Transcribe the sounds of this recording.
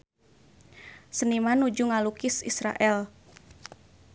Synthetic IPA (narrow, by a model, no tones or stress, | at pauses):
sənimanud͡ʒuŋalukɪsisɾa̰ʔɛl